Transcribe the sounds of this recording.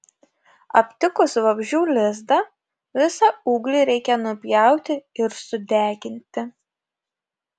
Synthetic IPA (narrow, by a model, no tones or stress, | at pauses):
ɐpʲt̪ʲɪkʊsʋɐbʲʒʲuːlʲɪzd̪ɐ | ʋʲɪsɑuːɡlʲiːɾʲɛɪkʲɛnʊpʲjɛˑʊt̪ʲɪɪɾsʊd̪ʲæːɡʲɪnʲt̪ʲɪ